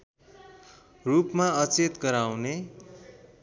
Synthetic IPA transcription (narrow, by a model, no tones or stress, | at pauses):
rupmaʌt͡set̪ɡʌɾawne